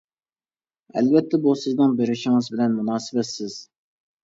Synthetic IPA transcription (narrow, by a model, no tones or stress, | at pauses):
ɛ̰lvɛt̪ʰːɛbusɨznɨŋbeɾɪʃɪŋɨzbɪlɛnmunɑːsɨbɛt̪sɪz̥